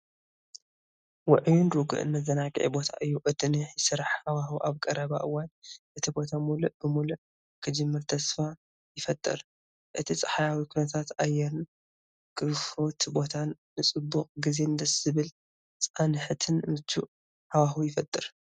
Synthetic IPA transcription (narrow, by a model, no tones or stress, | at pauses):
wʊʕjunɾuɡɨ̰ʔɨ̰nmɐzɐnakʼʕḛbo̞t̪ʰa̰ʔɨjːuʔɨd̪ɨniħjɪsɨɾaħhawaxuʔaβkʼɐɾɐβaʔɨwːanʔɨt̪ʰibo̞t̪ʰamuluʔb̥ɨmuluʔ | kʰɨd͡ʒɨmːɨɾt̪ʰɐsfa | jɪfɐt̪ʼːɨ̰ɾ | ʔɨt̪ʰit͡sʼɐ̥ħajawikʰunɐt̪ʰat̪ajɛɾɨn | kʼɨfot̪bo̞t̪ʰanːɨt͡sʼɨbːuqʼɡize̞nd̪ɐsɨβɨl | t͡sʼanɨħɨt̪ʰɨnmɨt̪ʰːuʔ | hawaxujɪfɐt̪ʼːɨɾ